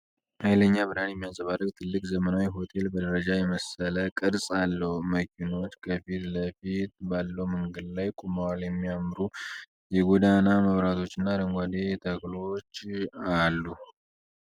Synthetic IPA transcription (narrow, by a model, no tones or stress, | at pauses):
hajləɲːabɨɾhanjɛmːijasʼəβarːəɡ̚t̪ʰɨlːɨkʼzəmənawiɦo̞t̪ʰe̞lbəd̪əɾəd͡ʒajɛməsələkʼɨɾsʼalːəhuməkʰino̞t̪kʰəfit̪ləfit̪balːəwmɨŋɡɨd̪lajkʼumawaljɛmːijamɾu | jɛɡʷod̪anaməβɾat̪ʰo̞t͡ʃːɪnːaɾəŋɡʷad̪et̪ʰəɡlo̞t͡ʃːalːu